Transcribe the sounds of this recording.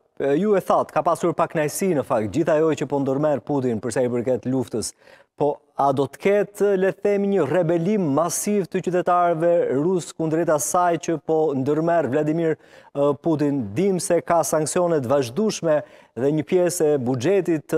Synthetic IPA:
juɛθat̪kapasuɾpaknajsinəfak̚t̪̚d͡ʑiθajɔt͡ʃəpɔnd̪əɾmɛrput̪̬inpəɾsaip̬əɾkɛt̪luft̪əs | pɔ | ad̪ɔt̪ə̥kʰɛt̪lɛθɛmiɲərɛbɛlimːasivt̪ət͡ʃyt̪ɛt̪aɾɛvɛɾuskund̪əɾɛt̪asajt͡ɕəpɔnd̪əɾmɛrvlad̪imiɾput̪̬ind̪imsɛkasaŋksiɔnɛt̪vaʒd̪uʃmɛ | ðɛɲəpjɛsɛbud͡ʒɛt̪it̪

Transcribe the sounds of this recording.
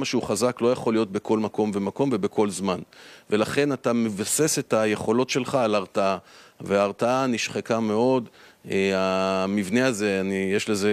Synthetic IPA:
maʃeuχazaklo̞jaχo̞lijo̞t̚bekʰo̞lmako̞mve̞mako̞mvebe̞kʰo̞lzmanve̞laχe̞natamevase̞se̞taje̞χo̞lo̞tʃe̞lχaːlaʁtaaveaːʁtaaniʃχekame̞o̞deamivneaze̞anijeʃle̞ze

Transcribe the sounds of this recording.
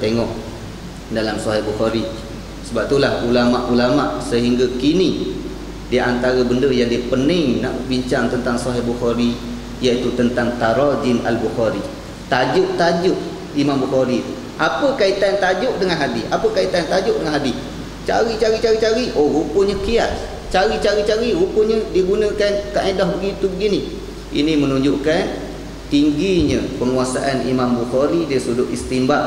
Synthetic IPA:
t̪eŋɔʔ | dalamsɔɦɪhbuxɔɾi | səbap̚t̪ulahulamaʔulamaʔsəɦiŋɡakini | diʔant̪aɾəbəndəjaŋdiəpənɪŋna̰ʔbiɲt͡ʃaŋt̪ənt̪aŋsɔɦɪbuxɔɾi | jait̪ut̪ənt̪aŋt̪aɾad͡ʒina̰lbuxaɾi | t̪ad͡ʒʊʔt̪ad͡ʒʊʔ | imambuxɔɾi | ʔapəkait̪ant̪ad͡ʒʊʔ̚dəŋanɦadisapəkait̪ant̪ad͡ʒʊʔdəŋanɦadi | t͡ʃa̰ɾit͡ʃaɾit͡ʃaɾit͡ʃaɾioɣupəɲəkias | t͡ʃaɾit͡ʃaɾit͡ʃaɾiɾupəɲədiəɡunəkankaʔadɔhbəɡit̪ubəɡini | ḭnimənuɲd͡ʒʊʔkan | t̪iŋɡiɲə̃pəŋuasaʔanḭmambuxɔɾidisudʊʔist̪imbaʔ̚

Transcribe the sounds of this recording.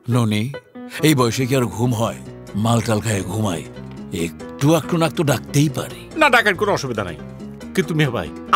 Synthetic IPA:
noni | ejbɔjʃek̬iaɾoɡʱumɦɔe | malʈalkʰajeɡʱuma̰j | ekʈuak̚ʈunak̚t̪oɖak̚t̪ejpa̰ɾe | naɖakaʈ̚koɾɔʃubid̪ʱana̰j | kit̪umiaba̰j

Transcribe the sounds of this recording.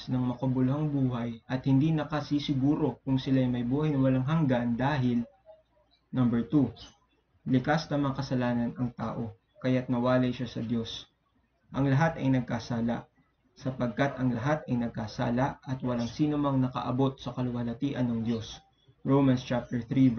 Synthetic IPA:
snɐŋmɐkɐbʊlʊhɐŋbuːɦɐjʔɐt̪̚hɪnd̪inɐkɐsisɪɡuːɾo̞kʊŋsɪlaːjmɐjbuːhɐjnɐwɐlaŋɦɐŋɡand̪aːɦɪl | nɐmbɛɹt̪u | lɪkasnɐmɐŋakɐsɐlaːnɐnɐŋt̪a̰ːʔo̞ | kɐjat̪̚nɐwaːlɐjʃasɐd̪jo̞s | ʔɐŋlɐɦat̪ɐjnɐɡ̚kasaːla̰ʔ | sɐpɐɡ̚kat̪ɐŋlɐɦat̪ɐjnɐɡ̚kaːsa̰ːlɐʔɐt̪wɐlaŋsiːnomɐŋnɐkɐ̰ʔɐ̰bo̞t̪̚sɐkɐlʊwɐlɐt̪iːʔɐnːɐŋd̪jo̞s | ɹowmɐnst͡ʃap̚t̪ɛɹθɾi

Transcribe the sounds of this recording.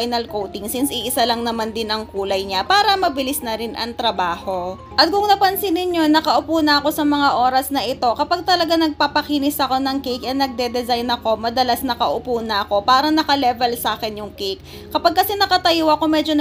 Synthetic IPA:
jnɐlkowt̪ɪŋsɪnsɪʔɪsalɐŋnɐmand̪ɪnʔɐŋkuːlɐjɲapaːɾɐmɐbɪlɪsnɐɾɪnʔɐ̰ŋt̪ɾɐbaːho̞ | ʔɐt̪̚kʊŋnɐpɐnsɪnɪɲːo̞nɐkɐʔʊpuːnɐʔɐko̞sɐmɐŋaʔo̞ːɾɐsnɐʔɪt̪o̞kɐpaɡ̚t̪ɐlɐɡanɐɡ̚papɐkiːnɪsʔɐko̞nɐŋkejkɐnɐɡ̚d̪ɛd̪ɛzajnɐko̞mɐd̪ɐlasnɐkɐʔʊpuːnɐɐko̞paːɾɐnɐkɐlɛvɛlsaːkɛnjʊŋkejk̚ː | ɐpaɡ̚kɐsɛnɐkɐt̪ɐjoɐkomɛːd͡ʒo̞n

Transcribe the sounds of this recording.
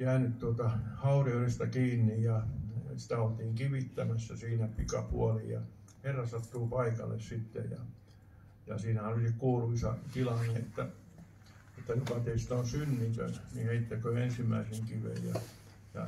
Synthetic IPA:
jæːnytt̪uot̪ɑhɑuriorest̪ɑkiːnːijjɑsi̥t̪æolt̪iːŋkiʋit̪ːæmæsːæsiːnæpikɑpṵɑlḭjjɑ̰ | herːɑsɑt̪ːuːpɑikɑ̰lːḛssit̪ːḛjjɑ̰ | jɑsiːnæhæolisikkuːluisɑ̰t̪ilɑniet̪ːæ | et̪ːæjukɑt̪eist̪onsynːik̪ø̰nniheit̪ːækøːensimːæiseŋkiʋḛjjɑ̰ | jɑ̰

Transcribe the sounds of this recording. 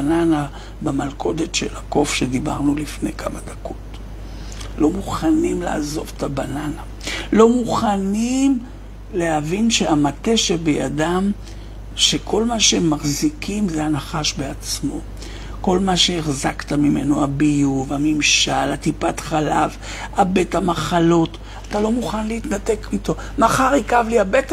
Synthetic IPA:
anana | bemalkʰo̞de̞tʃe̞̰lako̞fʃediba̰ʁnulifne̞jkamad̪ako̞t | lo̞muχanimla̰azo̞vetabanana | lo̞muχanim | le̞havinʃehamate̞ʃebeja̰dam | ʃe̞kʰo̞lmaʃeemːaχzikʰimzeanaχaʃbeat͡smo̞ | ko̞lmaʃe̞eχzaktamime̞̰noabijuvamimʃalatipatχalav | abe̞tamaχalo̞t | atalo̞muχanleitnate̞kito̞ | maχaʁikavliabet

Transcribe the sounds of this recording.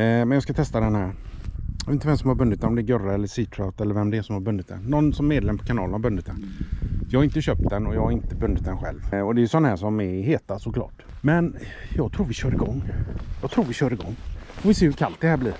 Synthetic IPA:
mɛnjɑːskat̪ʰɛst̪ad̪ɛnhæːɾjvet̪vɛmsɔmhaɾbɵnːɪt̪̚d̪ɛnɔmd̪ɛːɡœɾaɛlːəʂiːt̪ʰɾat̪ɛlːəɾvɛmd̪ɛːʂɔmhaɾbɵnd̪ɪt̪d̪ɛ̰nːɔnːsɔmːeːd̪lɛmːəpʰɔ̥kʰanɑːlənhabɵnd̪ɪt̪d̪ɛnjɑːɡhaɾɪnt̪əɕœp̚t̪̚d̪ɛnɔjɑːɡhaɾɪnt̪əbɵnd̪ɪt̪̚d̪ɛnɧɛ̰lvɔd̪ɛːjʏsɔnːahæːʂɔmɛheːt̪asɔklɑ̰ːʈ | mɛnjɑːɡ̚t̪ʰɾuːɾvɪɕœːɾɪɡɔŋːjɑːɡ̚t̪ʰɾuːɾvɪɕœːɾɪɡɔ̰ŋːfɔvɪseːhɵɾkʰalt̪̚d̪ɛhæːbliːɾ

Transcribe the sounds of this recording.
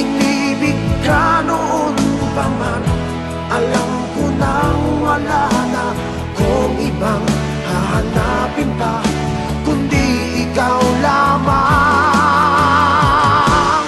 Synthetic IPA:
ɪŋlibɪɡ̚kanoʔonpaman | ʔalam | kʊnaŋwalana | koŋʔɪbaŋ | haanapɪnp̪a | kʊnd̪i | ɪkawlama

